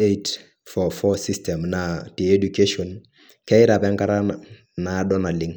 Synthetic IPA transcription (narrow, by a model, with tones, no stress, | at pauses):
et | fɔ˨fɔsi˦stɛ˨mnati˨e˦du˨ke˦ʃɔ˨n | kɛ˦ɪ˦ɾa˨pɛ˦ŋka˦ɾa˦na | na˨˦dɔ˦na˨li˦ŋ